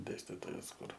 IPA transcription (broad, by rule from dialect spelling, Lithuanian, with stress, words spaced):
ˈdʲeːsʲtʲɪtoːjɛs ˈkʊr